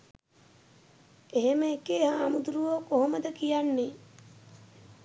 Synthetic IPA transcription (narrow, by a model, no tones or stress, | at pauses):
eɦemekeːɦaːmud̪ɾuʋoːkoɦoməd̪ɐkijanːi